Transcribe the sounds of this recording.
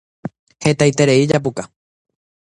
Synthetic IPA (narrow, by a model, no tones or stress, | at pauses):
he̞t̪ajt̪e̞ɾe̞id͡ʒap̬uka